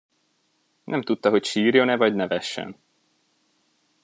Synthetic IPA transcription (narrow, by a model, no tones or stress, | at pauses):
nʔɛmt̪ut̪ːɒɦo̞cʃiːrjo̞nɛvɒɟnɛvɛʃːɛ̰n